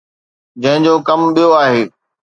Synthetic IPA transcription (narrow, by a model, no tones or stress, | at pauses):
d͡ʑɐ̃ɦɪ̃d͡ʑoːkɐmɓijoaːɦeː